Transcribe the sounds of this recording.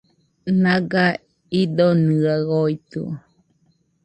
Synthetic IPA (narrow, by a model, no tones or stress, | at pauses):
naɡa | id̪onɯaɣoit̪ɯ̰o